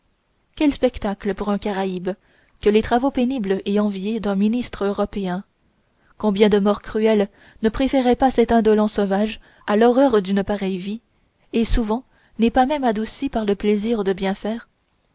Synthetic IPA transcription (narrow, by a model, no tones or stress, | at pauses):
kʲɛlspɛkt̪akləpuʁɛ̃kaʁaib | kəlet̪χavopenibleɑ̃vjed̪ɛ̃minist̪χøʁɔpeɛ̃ | kɔ̃bjɛ̃d̪əmɔʁkχyɛl | nəpχefɛʁɛpasɛt̪ɛ̃d̪ɔlɑ̃sɔvaʒ | alɔʁœʁd̪ynpaʁɛjvi | esuvɑ̃ | nɛpamɛmad̪usipaʁləpleziʁd̪əbjɛ̃fɛːʁ